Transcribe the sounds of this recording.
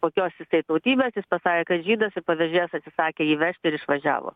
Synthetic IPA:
koːkʲoːsjɪsɐɪt̪ɐʊt̪ʲiːbʲeːsjɪspɐsɑːkʲeːkɐt̪ʒʲiːd̪ɐsɪpɐʋʲɛʒʲeːjɛsɐt̪ʲsʲɪsɑːkʲeːiːʋʲɛʃʲt̪ʲɪɪɾɪʃʋɐʒʲæ̰ːʋo̰ː

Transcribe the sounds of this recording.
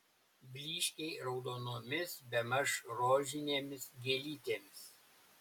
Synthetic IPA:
bʲlʲiːʃʲkʲɛɪɾɒʊd̪oːnoːmʲɪsbʲɛmɐʃɾoːʒʲɪnʲeːmʲɪsɡʲɛlʲiːt̪ʲeːmʲɪs

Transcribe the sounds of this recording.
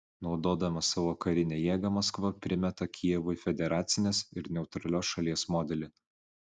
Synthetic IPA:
nɒʊd̪oːd̪ɐmɐsɑʋoːkɐɾʲɪnʲeːjeːɡɐmɐskʋɐpʲɾʲɪmʲɛt̪ɐkʲʰijɛʋʊɪfʲɛd̪ʲɛɾɑːt̪sʲɪnʲeːsɪɾnʲɛʊt̪ɾɐlʲoːsʃɐlʲiɛsmɔːd̪ʲɛlʲɪ

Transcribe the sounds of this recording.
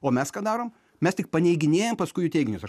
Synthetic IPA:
oːmʲɛskɑːd̪ɑːɾoːm | mʲɛstʲɪk̚pɐnʲɛɪɡʲɪnʲeːjɛmpɐskʊɪjʊːt̪ʲɛɪɡʲɪnʲʊsɐ

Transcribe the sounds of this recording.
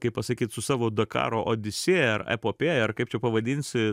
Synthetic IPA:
kɐɪppɐsɐkʲiːt̪sʊsɑːʋoːd̪ɐkɑ̰ːɾoːʔoːd̪ʲɪsʲeːɐrɛ̰poːpʲeːɐrkɐɪpt͡ʃʲɛpɐʋɐd̪ʲiːnʲsʲɪ

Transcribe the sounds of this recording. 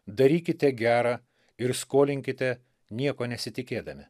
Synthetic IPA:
d̪ɐɾʲiːkʲɪt̪ʲɛɡʲæːɾɑː | ɪɾskoːlʲɪŋʲkʲɪt̪ʲɛ | nʲiɛkoːnʲɛsʲɪt̪ʲɪkʲeːd̪ɐmʲɪ

